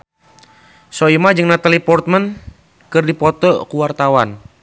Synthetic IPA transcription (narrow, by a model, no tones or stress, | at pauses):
soimad͡ʒɨŋnat̪alipɔrt̪̚mən | kɨrdipɔt̪ɔkuwart̪awan